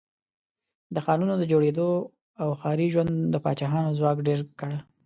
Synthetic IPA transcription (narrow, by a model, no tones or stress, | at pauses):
d̪əxɑnunod̪əd͡ʒoɽed̪o | awxɑɾiʒwand̪d̪əpɑ̰t͡ʃɑɦɑnozwɑkɖeɾkəɽ